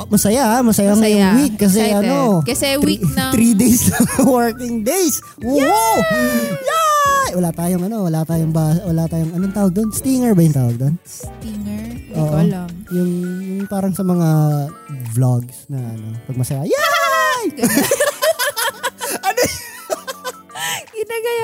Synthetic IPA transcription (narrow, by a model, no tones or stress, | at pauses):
mɐsɐjahamɐsɐjaŋɐjʊŋwikːɐs̬ɛʔɐnokɐɛit̪ɾid̪ejslɐŋɐwɐɹkɪŋd̪ejs | wowawjawɐlaːt̪aːjoŋɐno̞wɐlat̪aːjoŋbasɐwɐlaːt̪aːjoŋɐnoŋt̪aːwɐɡ̚d̪onst̪iŋɛɹbɐjʊŋt̪aːwɐɡ̚d̪on | ŋʔoːʔojʊŋjʊŋpaːɾɐŋsɐmɐŋa | blaɡsnɐʔɐno̞̰pɐɡ̚mɐsɐjaja | ʔɐno | ɡɪnaɡɐja